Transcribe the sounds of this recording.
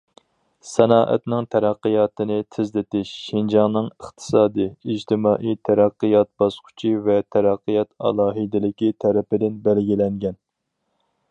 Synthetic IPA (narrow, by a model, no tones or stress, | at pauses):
sɛnɑːʔɛ̰t̪nɪŋt̪ʰɛɾæqːɨjɑːt̪ɨnɪt̪ʰɪzlɪt̪ɪʃːind͡ʒɑŋnɨŋəχt̪ʰɨ̥sɑːd̪ɨid͡ʒt̪ʰɪmɑːʔijt̪ʰæɾæqːɨjɑt̪̚bɑsqʰʊ̥t͡ʃʰivɛt̪ʰæɾæqːɨjɑt̪ɑ̰lˠɑːɦid̪ɪlɪkʲit̪ʰɛɾɪpɪd̪ɪnbælɡʲilɛŋɡʲɛn